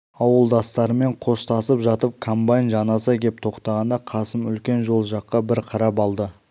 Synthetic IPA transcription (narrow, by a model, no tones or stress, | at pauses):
ɑwəlˠd̪ɑst̪ɑɾəme̞ɴqʰo̞st̪ʰɑsəpʒɑt̪əp̚kʰombajnʒɑnɑsəkʲʰe̞p̚t̪ʰo̞qt̪ɑʁɑnd̪ɑqʰɑsəmʏlkʲe̞nʒo̞lˠʒɑqːɑbɪɾqʰɑɾɑpɑlˠd̪ə